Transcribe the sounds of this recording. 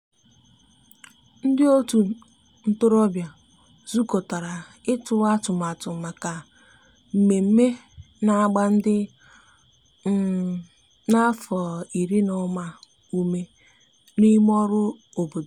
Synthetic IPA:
n̩˦dɪ˦o˦tu˨ | n̩˦tʊ˦ɾɔ˦bja˨ | zu˦ko˨ta˨ɾa˨ | ɪ˦tʊ˦˨˦a˦tʊ˨m˨a˨tʊ˨ma˨ka˨ | m̩˨me˨m̩˦me˦ | na˦ɡ͡ba˦n̩˦dɪ˦ | na˦fɔ˨i˨ɾi˦nɔ˦ma˦ | u˦me˦ | ni˦m˦ɔ˦ɾʊ˦ | o˨bo˨do˨

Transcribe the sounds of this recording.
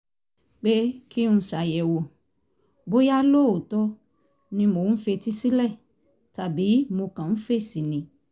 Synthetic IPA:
k͡pe˦ki˦ñ̩˧˨ʃa˨jɛ˨wo˨ | bo˦ja˦lo˦˨o˨tɔ˦ | nĩ˧mo˨˦fe˧ti˦si˦lɛ˦˨ | ta˨bi˨˦mo˧kã˨n̩˦fe˦si˨nĩ˨

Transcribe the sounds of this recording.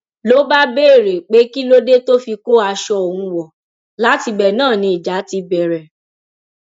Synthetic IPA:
lo˨˦ba˦be˦e˦˨ɾe˨k͡pe˨˦ki˦lo˦de˦to˦fi˧ko˦a˧ʃɔ˧ɔ˨wũ˧wɔ˨ | la˨˦ti˧bɛ˨nãː˦˨nĩ˧˦i˨d͡ʒa˨˦ti˧bɛ˨ɾɛ˨

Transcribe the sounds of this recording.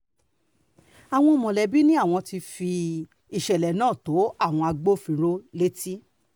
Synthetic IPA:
a˨w̃ɔ̃˧mɔ̃˨lɛ˨bi˦nĩ˦a˦˨w̃ɔ̃˧ti˧fi˧ | i˨ʃɛ˨lɛ˨nãː˦˨to˨˦a˦˨w̃ɔ̃˧a˧ɡ͡bo˦fĩ˧ɾo˦le˦ti˦

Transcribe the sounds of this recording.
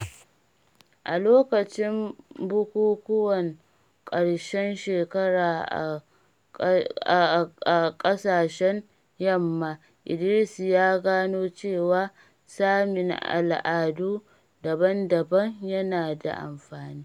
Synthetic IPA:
ʔa˨loː˦kɐ˨t͡ʃɪ˦mbʊ˦kʷuː˦kʷʊ˦wɐ˨ŋ | kʼɐ˨ɽʃɛ˦nʃeː˨kɐ˦ɽaː˨ʔa̰˨ | a˨kʼɐ˦saː˨ʃɛ˦ɲ | jɐ˦˨mːaː˨ | ʔɪ˨dɪ˨˦li˦si˨jaː˦ɡaː˦noː˦t͡ʃeː˦˨waː˦ | saː˦mɪ˨ŋʔa̰˨lʔaː˨duː˦ | dɐ˨bɐ˦ndɐ˨bɐ˦ɲjɐ˦naː˨da̰˨ʔa̰˨mɸaː˨niː˦

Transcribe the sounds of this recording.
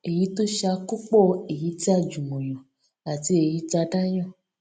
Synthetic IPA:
e˨ji˨˦to˦ʃa˧ku˦k͡pɔ˦˨e˨ji˨˦ti˦a˦˨d͡ʒu˨mõ˨j̃ɔ̃˨ | a˨ti˨˦e˧ji˨˦t͡ʃa˧da˦j̃ã˦˨

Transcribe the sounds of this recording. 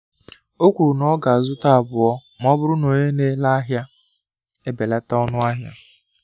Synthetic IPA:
o˦kʷu˨ɾu˨nɔ˦ɡa˨a˨zʊ˦ta˦a˨bʊ˨ɔ˦ | m˦ɔ˦bʊ˦ɾʊ˦no˨ɲe˦ne˦la˦a˦ɦja˦ | e˦be˨la˦ta˦ɔ˦nʊ˦a˦ɦja˦

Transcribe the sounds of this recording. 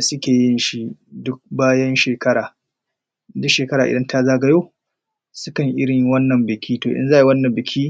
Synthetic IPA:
sʊ˦kʲeː˨jɪ˦nʃi˦dʊ˦k̚baː˦jɐ˦nʃeː˨kɐ˦ɽaː˨ | dʊ˦kʃeː˨kɐ˦ɾaː˨ʔɪ˨dɐ˦nta˦zaː˦ɡɐ˨joː˦ | sʊ˦kɐ˨ŋʔɪ˦ɽɪ˨ɲ˦wɐ˦nːɐ˨mbɪ˨kʲʰiː˦toː˨ʔɪ̰˦nzaː˦˨˦wɐ˦nːɐ˨mbɪ˨kʲʰiː˦

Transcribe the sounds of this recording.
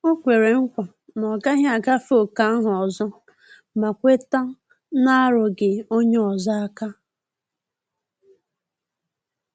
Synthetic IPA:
o˦kʷe˨ɾe˨ŋ̩˦kʷa˨ | nɔ˨ɡa˦ɦa˨ɡa˦fo˦˨ka˨˦ɦʊ˨ɔ˨zɔ˦ | ma˨kʷe˦ta˦ | na˦ɾʊ˨ɡe˨o˦ɲe˦ɔ˨zɔ˦a˦ka˦

